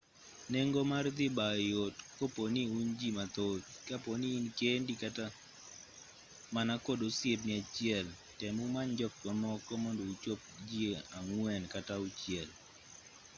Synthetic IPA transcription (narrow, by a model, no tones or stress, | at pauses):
neŋɡomard̪ɪbajotkoponiund͡ʒimat̪ot͡ʃkaponiːnkendikata | manakodosjep̚nɪat͡ʃɛl | tɛmumand͡ʒɔk̚twamɔkɔmɔndout͡ʃop̚d͡ʒieaŋwɛnkataut͡ʃɪɛl